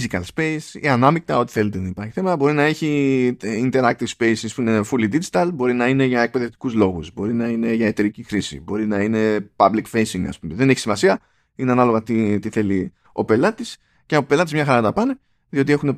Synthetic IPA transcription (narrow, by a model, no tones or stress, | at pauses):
zikɐlspesḭɐnɐmik̚t̪ɐo̞t̪i̥θe̞let̪enɐipɐɾçi̥θemɐt̪ɐbo̞ɾinɐe̞çiint̪e̞ɾɐk̚t̪iv̥spe̞isispuinefulid̪id͡ʒit̪ɐlbo̞ɾinɐine̞ʝɐe̞k̚pe̞ðe̞ft̪i̥kuzlo̞ɣuzbo̞ɾinɐine̞ʝɐe̞t̪e̞ɾicixɾisḭbo̞ɾinɐine̞pɐblikfe̞jsiŋɡɐ̰spumeðe̞neçi̥simɐsiɐ | ineɐnɐlo̞ɣɐt̪it̪iθe̞li | o̞pe̞lɐt̪is | ceope̞lɐt̪izmɲɐxɐɾɐt̪ɐpɐne | ðio̞t̪iexune̞